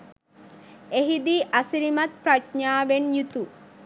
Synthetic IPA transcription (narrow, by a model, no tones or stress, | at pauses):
eɦid̪iʔasiɾimat̪̚pɾatɲaːʋenjut̪u